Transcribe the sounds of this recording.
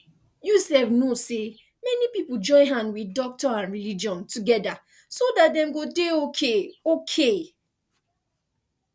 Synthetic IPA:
jusɛvnose | mɛnipipud͡ʒɔ̃ɪ̃nɦãnwidɔk̚tɔãnɹilid͡ʒɔ̃ntuɡɛda | sodat̚dɛ̃mɡodeokʰeokʰe

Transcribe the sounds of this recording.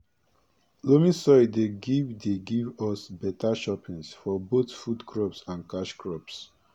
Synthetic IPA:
lomĩsɔjd̪eɡivd̪eɡivɔsbɛt̪ʰaʃɔpĩŋsfɔbot̪fudkʰɹɔpsãnkaʃkʰɹɔps

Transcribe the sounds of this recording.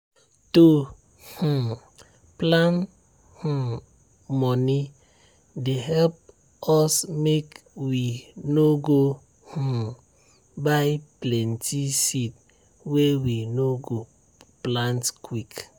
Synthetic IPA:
to | hu | plant | h̩ | mɔni | deɦɛlp̚ | ɔsmek | winoɡo | h̩ | baɪplɛntʰisit̚ | wewinoɡo | plãntkwik

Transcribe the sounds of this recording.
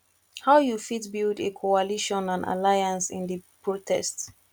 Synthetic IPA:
haʊjufitbildekʰɔaliʃɔ̃nãna̰lajãnsɪ̰̃nðəpʰɹotʰɛ̰st

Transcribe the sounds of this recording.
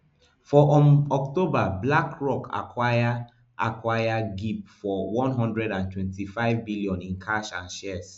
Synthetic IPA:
fɔʔɔktobablakɹɔka̰kʰwaja | ʔa̰kwajaɡip̚fɔwɔ̃nɦɔ̃ndɹɛdãntʰwɛ̃ntifaɪvbiliɔ̃nĩnkʰaʃãnʃɛs

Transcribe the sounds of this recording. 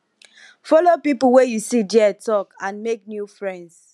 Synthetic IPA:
fɔlopipuwejusidiɛtɔkãnmek̚njufɹɛ̃nds

